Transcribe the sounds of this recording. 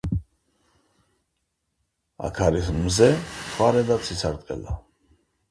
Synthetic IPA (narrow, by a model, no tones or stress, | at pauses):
a̰kʰaɾismzɛsʰwaɾɛd̪at̪sʰisaɾt̪ʼqʼɛ̰la